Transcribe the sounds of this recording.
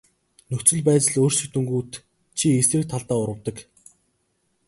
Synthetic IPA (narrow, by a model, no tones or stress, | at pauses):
nɵxt͡swɵ̆ɮpæːt͡sɪ̆ɮoːr̥sɵ̆kt̪ɵ̆ŋɡuːt̪ | t͡ɕʰiesɘ̆k̚t̪ʰaɮt̪aːʊɾə̆wt̪ə̆k